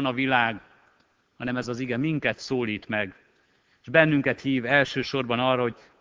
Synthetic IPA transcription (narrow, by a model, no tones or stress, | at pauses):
nɒvilaːɡ | hɒnɛmɛzɒziɡɛmiŋkɛt̪soːliːt̪mɛɡ | eʒbɛnːyŋkɛt̪hiːvɛlʃøːʃo̞rbɒnɒːrːɒɦo̞ɟ̚